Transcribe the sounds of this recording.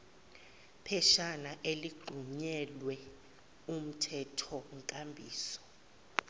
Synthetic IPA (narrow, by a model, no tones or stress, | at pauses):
pʰɛʃanaʔeliɡ͡ǃʱuɲɛlwɛ | um̩tʰɛtʰɔŋkʼambʱḭːsɔ̥